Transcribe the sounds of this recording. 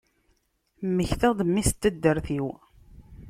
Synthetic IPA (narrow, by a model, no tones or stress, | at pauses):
mːəçθæd̪ˤəmːist̪ːəd̪ːəɾθiw